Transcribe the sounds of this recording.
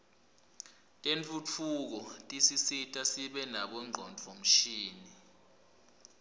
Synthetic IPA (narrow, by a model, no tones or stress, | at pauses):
tʼent͡fʰʼut͡fʰuk̬ɔtʼisisitʼasiɓɛnaɓɔŋ͡ǃʱɔnt͡fʰɔm̩ʃiːni